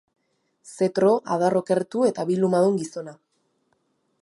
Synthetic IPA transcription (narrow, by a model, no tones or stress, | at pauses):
se̞t̪ɾo̞ʔaðaro̞ke̞ɾt̪ue̞t̪aβilumaðuŋɡiso̞na